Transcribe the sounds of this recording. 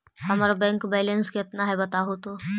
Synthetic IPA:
hɐmaːɾabɛ̃ːŋkbɛːlənskeɐt̪naɦɛbɐt̪aɦot̪o

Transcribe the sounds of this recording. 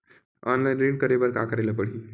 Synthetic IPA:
ɔnlajnɾin̚kəɾebəɾka̰kəɾajləːpəɽi

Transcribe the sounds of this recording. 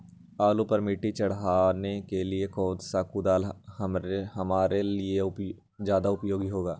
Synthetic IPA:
aːlupəɾmɪʈːit͡ʃəɽɦaːnekeliekʰoːd̪saːkud̪aːlhəɾeɦəmaːɾelɪeʊ | d͡ʒjaːd̪aʊpjoːɡiɦoːɡaː

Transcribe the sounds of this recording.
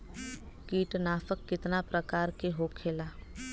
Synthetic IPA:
kiːʈnaːfəkːɪt̪napɾəkaːɾkeɦoːkʰːeːlaː

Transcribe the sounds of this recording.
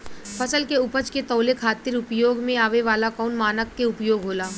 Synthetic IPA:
fʰəsəlkeʊpət͡ʃket̪ɔːlekʰaːt̪ɪɾʊpjoːɡmẽaːʋeʋaːlakɔːnmaːnəkːeʊpjoːɡɦoːlaː

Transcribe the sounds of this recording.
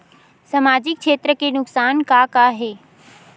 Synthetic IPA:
sɐmaːd͡ʑɪk̚ʃʰeːt̪ɾəkenʊksaːnkaːkaːɦeː

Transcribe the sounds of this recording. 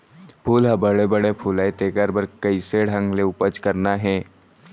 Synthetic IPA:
pʰuːlɦɐbəɽebɐɽepʰuːlaet̪eːkəɾbəɾkɐiseɽʱɐ̃ŋɡleʊpət͡ʃkɐɾnaɦɛː

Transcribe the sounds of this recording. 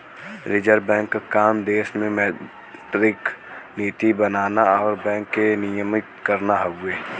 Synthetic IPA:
ɾɪd͡ʒəɾbɛ̃ːŋkːakaːmd̪eːʃmẽmɛ | t̪ɾɪkniːt̪ibənaːnaɔːɾbɛ̃ːŋkːenɪjəmɪk̪kəɾnaɦəɡʊeː

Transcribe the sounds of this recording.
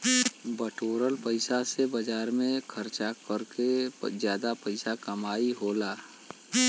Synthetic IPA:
bəʈoːɾəlpəɪsasebəd͡ʒaːɾmẽkʰəɾt͡ʃakəɾkezjaːd̪apəɪsakəmaːiɦoːlaː

